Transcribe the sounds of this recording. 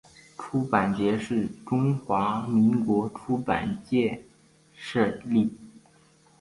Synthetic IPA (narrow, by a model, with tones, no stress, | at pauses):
ʈ͡ʂʰu˥pa˨˩nt͡ɕjɛ˧˥ʂɻ̩˥˩ʈ͡ʂʊ˥ŋxwa˧˥mi˧˥ŋkwɔ˧˥ʈ͡ʂʰu˥pa̰˨˩nt͡ɕjɛ˥˧ | ʂɤ˥˧li˥˩